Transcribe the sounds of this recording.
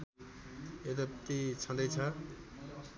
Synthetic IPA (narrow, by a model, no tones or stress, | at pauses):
ed̪ʌb̚t̪it͡sʰʌnd̪ʌjt͡sʰʌ